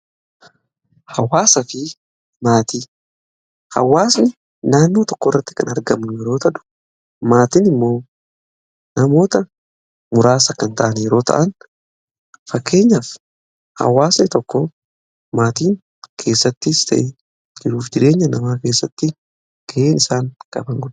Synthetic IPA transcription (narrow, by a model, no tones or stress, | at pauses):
hɐwaːsɐfɪ | maːt̪iː | hɐ̰wːaːsnɪ | naːnːoːt̪ɔkːɔrːɐt̪ːɪ̥kɐnɐɾɡɐmnʊjɛɾo̞ːt̪ɐᶑ̪ʊ̥ | maːt̪inɪmːo̞ː | nɐmo̞ːt̪ɐ | mʊɾaːsɐkːɐnt̪ɐʔɐnjɛɾo̞ːt̪ʰɐ̰ʔɐn | fɐkːe̞ːɲːaf | hɐ̰waːsnɪt̪ɔkːɔ | maːt̪iːŋ | kʰe̞ːsːɐt̪ːɪst̪ʰɐ̰ʔe | d͡ʒɪɾuːfd͡ʒɪɾe̞ːɲːɐnɐmaːke̞ːsːɐt̪ːɪ | ɡ̥ɐʔeːnɪsaːŋkʼɐ̰bɐŋɡʊd̪